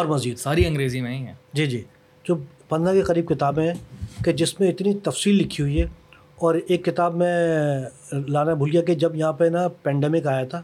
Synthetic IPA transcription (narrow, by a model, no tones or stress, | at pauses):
ɔːɾmɐziːd̪saːɾiɐ̃ŋɡɾeːzimẽĩɦɛːd͡ʒiːd͡ʒiː | d͡ʒoː | pɐ̃nd̪ɾakeqɐɾiːb̚kɪt̪aːbmẽɦɛ̃ked͡ʒɪsmẽɪt̪nit̪ɐfsiːlːɪkʰiɦʊiɦɛː | ɔːɾeːkːɪt̪aːbmẽ | laːnabʱʊlɡijaked͡ʒɐbjɐɦãpɐnapɛ̃ːɳɖɛːmɪkaːjat̪ʰaː